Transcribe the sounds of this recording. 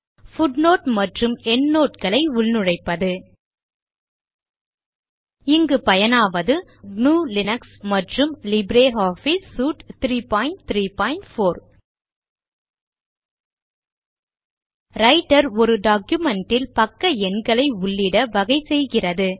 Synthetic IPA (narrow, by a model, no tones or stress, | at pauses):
fʊɖnoːʈmɐʈrɯmɛnnoːʈ̚kɐɭɐɪʊɭnɯɻɐɪpːɐðɯ | ɪŋɡɯpɐjɐnaːʋɐðɯ | nuːlɪnɐksmɐʈrɯmlɪbɾeːɦaːfɪsːuːʈt̪ɾiːpaːɪnt̪ɾiːpaːɪnʈfoːɾ | ɾɐɪʈːɐɾɔɾɯɖaːkjɯmɛɳʈɪlpɐkːɐɛnɡɐɭɐɪʊɭːɪɽɐʋɐɣɐɪsɛjɣɪrɐðɯ